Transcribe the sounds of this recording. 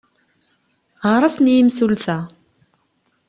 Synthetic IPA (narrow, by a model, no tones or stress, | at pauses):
ʁəɾˤɑsnjimsulθæ